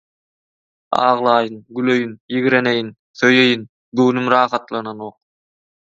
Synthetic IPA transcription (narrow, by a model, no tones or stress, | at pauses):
ɑ̰ːʁlˠɑːjɯnɡyløjynjiɣɾenejin | θøjejin | ɡɵwnymɾɑːχɑt̪lˠɑnɑno̞ːq̚